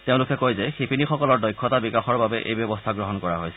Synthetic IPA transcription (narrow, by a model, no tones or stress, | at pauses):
teʊ̃lʊkɛkojzɛxipinixɔkɔlɔɹdɔjkʰːɔtabikaxɔɹbabɛʔḛjbjɔbɔstʰaɡɹɔɦɔnkɔɹaɦojsɛ